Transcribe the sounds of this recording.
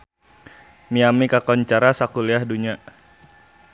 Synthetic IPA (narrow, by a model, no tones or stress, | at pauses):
miamikakɔɲt͡ʃaɾasakuliahduɲa